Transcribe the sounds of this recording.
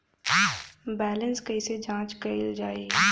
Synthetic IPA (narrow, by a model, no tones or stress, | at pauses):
bɛːlə̃nskɐised͡ʒãːt͡ʃkɐɪld͡ʒaːeː